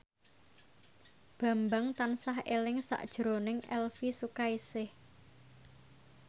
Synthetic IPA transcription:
b̥a̤mbaŋt̪ansaɦelɪŋsa̰ʔd̥ʒ̥ɾonɪŋɛ̰lfisukaisɪh

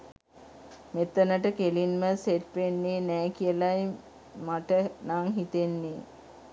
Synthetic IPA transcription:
met̪ːənəʈəkelinməseʈʋenːeːnɛːkijəlaj | maʈənaŋɦit̪enːe

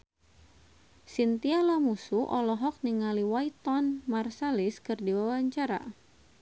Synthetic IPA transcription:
sint̪ialamusuʔɔlɔɦɔk̚niŋaliwait̪ɔnmarsaliskɨrdiwawaɲt͡ʃaɾa̰

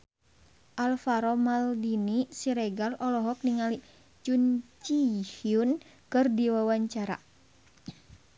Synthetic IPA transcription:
ʔalfaɾɔmaldinisiɾɛɡalɔlɔɦɔk̚niŋali | t͡ʃunt͡ʃihiun | kɨrdiwawaɲt͡ʃaɾa̰

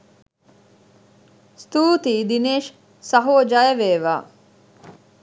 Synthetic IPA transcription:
st̪uːt̪iːd̪ineːʃ | sɐɦoːd͡ʒajɐʋeːʋa̰ː

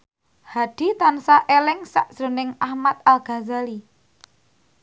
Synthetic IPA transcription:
had̪̥i̤t̪ansaʔelɪŋsa̰ʔsɾo̤nɪŋahmat̪̚alɡ̥a̤zali

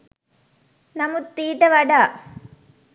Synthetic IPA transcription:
nɐmɯt̪ːiːʈːɐʋɐɽaː

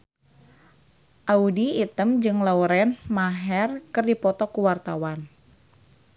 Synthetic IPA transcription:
ʔaudiːt̪əmd͡ʒɨŋlauɾɛnmaɦɛrkɨrdipɔt̪ɔkuwart̪awan

